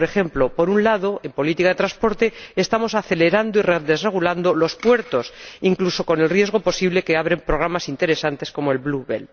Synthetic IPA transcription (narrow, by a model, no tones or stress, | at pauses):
ɾe̞xe̞mplo̞po̞ɾunlaðo̞e̞mpo̞lit̪ikaðet̪ɾaspo̞ɾt̪e̞ːst̪amo̞saθe̞le̞ɾand̪oireðe̞zre̞ɣ̞uland̪olo̞spwe̞ɾt̪o̞siŋkluso̞ko̞ne̞lrje̞zɣ̞o̞po̞siβle̞ke̞aβɾe̞mpɾo̞ɣɾamasint̪e̞ɾe̞sant̪e̞sko̞moe̞lβluβḛl